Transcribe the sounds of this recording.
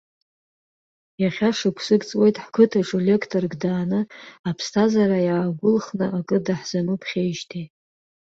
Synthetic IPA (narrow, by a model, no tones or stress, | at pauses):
jaχʲaʂɨkʷʰsɨɡt͡sʼwe̞jtʼħkʰʷɨtʰaʈ͡ʂʼule̞kʰtʰʼorɡdaːnɨapʰstʰazaɾajaːɡʷʊlχnɨʔakʼɨdaħz̥anupʰχʲejʃtʰi